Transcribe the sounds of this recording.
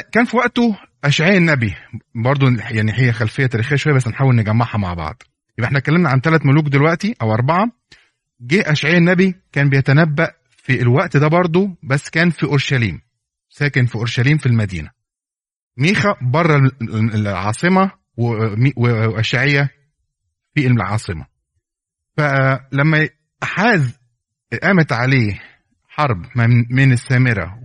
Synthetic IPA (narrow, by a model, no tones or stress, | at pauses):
kæːnfiwæʔt̪o | ʔæʃʕejænːæbibɑɾˤd̪ˤojaʕniɦejːæxælfejːæt̪æːɾixejæʃwæjːbæsːenħaːwelneɡæmːɑʕhɑma̰ʕbɑ̰ʕd̪̥ˤ | jebʔeħnæt̪ekːælːemnæʕant̪ælæt̪moluːkd̪elwæʔt̪iʔæwʔɑɾˤbɑʕɑ | ɡeːʔæʃʕejænːæbikæːnbejæt̪ænæbːæʔ | filwæʔt̪d̪æbɑɾˤd̪ˤobæsːkæːnfiʔoɾˤʃælḭːm | sæːkenfiʔoɾʃæliːmfilmæd̪ḭːnæ | miːxæbɑrˤːɑ | lʕɑ̰ːsˤemɑ | wiweʔæʃʕejːæ | fiʔelelʕɑ̰ːsˤɨmæ̰ | fælæmːæ | ħaːz | ʔæːmet̪ʕaleː | ħɑɾˤbmenesːæːmeɾæ̰